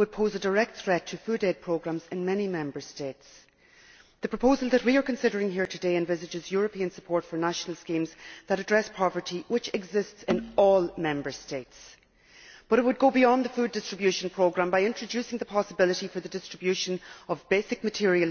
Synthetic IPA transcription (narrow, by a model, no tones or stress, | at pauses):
wəd̚pʰoʊzədəɹɛk̚t̪θɹɛtʰəfʉːɾɛd̚pʰɹ̥oʊɡɹãmzɪ̃nmɛnimɛ̃mbə˞steɪts | ðəpʰɹ̥əpʰoʊzəlˠðət̚wiə˞kʰə̃nsɪɾə˞ɪ̃ŋɦiɹtʰɨdeɪɨ̃nvɪzɨd͡ʒɪzjɔɹəpʰiə̃nsəpʰɔɹtfə˞naʃənəl̩ˠskĩmzðəɾədɹɛspʰɑvə˞tiwɪt͡ʃɛɡzɪstsɪ̃nɔːlˠmɛ̃mbə˞steɪts | b̥ʌɾɪt̚wəd̚ɡoʊbiɑ̃nðəfʉːdɪstɹ̥əbjʉʃə̃npʰɹ̥oʊɡɹãmbaɪɪ̃nt͡ʃɹ̥ɨd͡ʒʉsɪ̃ŋðəpʰɑsəbɪləɾifə˞ðədɪstɹ̥əbjʉʃə̃nʌvbeɪsɪk̚mətʰɪɹiəl